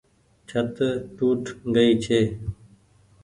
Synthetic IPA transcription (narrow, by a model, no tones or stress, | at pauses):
t͡ʃʰət̪ʈuːʈɡəiːt͡ʃʰeː